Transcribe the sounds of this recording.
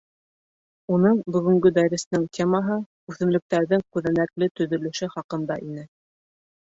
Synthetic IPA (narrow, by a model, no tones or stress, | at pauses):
unɤɴbɵ̆ɡɵ̆ŋɡɵd̪æɾɘ̆snɘŋt̪ʲʰemɑɦɤ | ʉθɘ̆mlɵ̆k̚t̪æɾðɘŋkʉðænæklɘt̪ɵ̆ðɵ̆lɘ̆ʃɘχɑqɤ̆nd̪ɑʔinɘ